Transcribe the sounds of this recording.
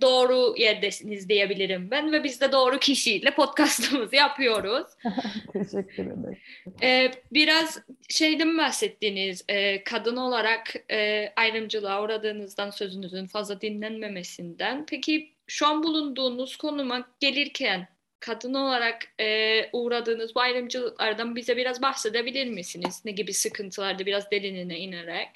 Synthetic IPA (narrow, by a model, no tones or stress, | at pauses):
d̪o̞ːɾujæɾd̪esinizd̪ijebilʲiɾimbænvɛbizd̪ɛd̪o̞ːɾucʰiʃijilʲɛpʰo̞t̪̚kʰast̪ʰɯmɯzɯjapʰɯjo̞ɾuz̥t̪ʰeʃɛkːyɾḛɛ̰ɛːbiɾazʃe̞jd̪ʲɛmbahsɛt̪ʰːiːniz̥ɛːkʰad̪ɯno̞lˠaɾakɛːajɾɯmd͡ʒɯlˠaːuɾad̪ɯːnɯzd̪ansø̞zynyzynfazlˠad̪inlʲænme̞me̞sind̪ænpʰecʰi | ʃuanbulˠund̪uːnuz̥kʰo̞numaɟ̥e̞lʲiɾcʰæn | kʰad̪ɯno̞lˠaɾakɛːuɾad̪ɯːnɯzbuajɾɯmd͡ʒɯlˠɯklˠaɾd̪anbizɛbiɾazbahsed̪ebilʲiɾmisiniz̥neɟibisɯkʰɯnt̪ʰɯlˠaɾd̪abiɾazd̪e̞lʲininɛineɾɛc